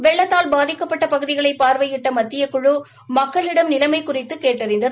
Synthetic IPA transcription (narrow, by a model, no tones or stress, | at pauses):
ʋɛɭːɐt̪ːaːlbaːðɪkːɐpːɐʈːɐpɐɣɯðɪɣɐɭɐɪpaːɾʋɐjɪʈːɐmɐt̪ːɪjɐkʊɻu | mɐkːɐɭɪɽɐmnɪlɐmɐɪkːʊrɪt̪ːɯkeːʈːɐɾɪnd̪ɐ